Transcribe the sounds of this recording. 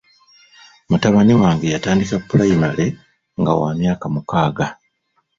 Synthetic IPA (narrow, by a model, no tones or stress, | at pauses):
mutaβaniwaːŋɡejataːndikapːulajimale̞ | ŋɡa̰wa̰ːmjaːkamukaːɡa